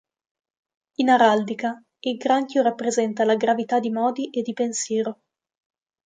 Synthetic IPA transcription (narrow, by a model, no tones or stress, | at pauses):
inaɾald̪ika | ilɡɾaŋkjoɾapːɾezɛnt̪alaɡɾavit̪ad̪ːimɔːd̪iʔed̪ːipensjɛːɾo